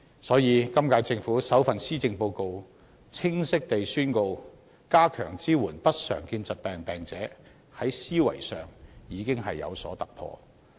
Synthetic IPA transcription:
sɔː˨˥jiː˨˧kɐ˥mkaː˧jt͡sɪ˧ŋfuː˨˥sɐ˨˥wfɐ˨nsiː˥t͡sɪ˧ŋpo˧wko˧w | t͡sʰɪ˥ŋsɪ˥k̚t̪e˨jsyː˥nko˧w | kaː˥kʰœ̰ː˨˩ŋt͡siː˥wuː˨˩npɐ˥t̚sœ̰ː˨˩ŋkiː˧nsɐ˨t̚pɛː˨ŋpɛː˨˩ŋt͡sɛː˨˥ | hɐ˨˥jsiː˥wɐ̰˨˩jsœ̰ː˨ŋjiː˨˧kɪ˥ŋɦɐ˨jːɐ̰˨˧wsɔ̰ː˨˥t̪ɐ˨k̚pʰɔ̰ː˧

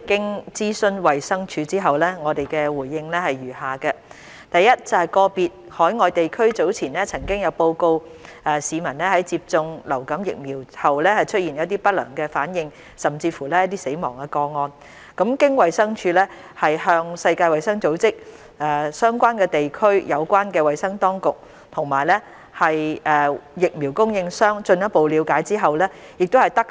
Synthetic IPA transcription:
kɪ˥ŋt͡siː˥sɵ˥nwɐ˨jsɐ˥ŋt͡ʃʰyː˧t͡siː˥ɦɐ˨wlɛː˥ŋɔː˨˧t̪e˨jkɛː˧wuː˨˩jːɪ˧ŋlɛː˥hɐ˨jɥyː˨˩haː˨kɐ˧ | t̪ɐ˨jːɐ˥t̚t͡sɐ˨whɐ˨˩jkɔː˧piː˨t̚hɔː˨˥jŋɔː˨jt̪e˨jkʰɵ˥ɥt͡so˨˥wt͡sʰiː˨˩nlɛː˥t͡sʰɐ˨˩ŋkɪ˥ŋjɐ˨˧wpo˧wko˧w | ɛː˨˧siː˨˧mɐ˨˩nlɛː˥hɐ˨˥jt͡siː˧p̚t͡sʊ˧ŋlɐ˨˩wkɐ˨˥mjɪ̰˨k̚miː˨˩whɐ˨˩wlɛː˥hɐ˨jt͡ʃʰɵ˥t̚jiː˨˩njɐ˨˧˥t̪iː˥pɐ˥t̚lœ̰ː˨˩ŋkɛː˧faː˨˥njɪ˨ŋ | sɐ˨˩mt͡siː˧fuː˨˩lɛː˥jɐ˥t̪̚iː˥se˨˥jmɔ̰ː˨˩ŋɛ˧kɔː˧ŋɔː˧n | kɐ˨˧˥mkɪ˥ŋwɐ˨jsɐ˥ŋt͡ʃʰyː˧lɛː˥ | hɐ˨jhœː˧ŋsɐ˧jkaː˧jwɐ˨jsɐ˥ŋt͡so˨˥wt͡sɪ˥k̚ | ʔɛː˨˩sœː˥ŋkʷaː˥nkɛː˧t̪e˨jkʰɵ˥ɥjɐ˨˧wkʷaː˥nkɛː˧wɐ˨jsɐ˥ŋt̪ɔː˥ŋkʊ˨k̚ | t̪ʰʊ˨˩ŋmaː˨˩jlɛː˥ | hɐ˨jʔɛː˨jɪ˨k̚miː˨˩wkʊ˥ŋjɪ˧ŋsœː˥ŋt͡ʃɵ˧njɐ˥t̚po˨wli˨˧wkaː˨˥jt͡siː˥ɦɐ˨wlɛː˥jɪ˨k̚t̪o˥hɐ˨˩jt̪ɐ˥k̚

